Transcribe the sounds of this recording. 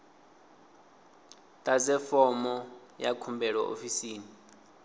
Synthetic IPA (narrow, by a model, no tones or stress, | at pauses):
tʼazɛfɔmɔjakʰumbʱɛɺɔʔo̰fisiːni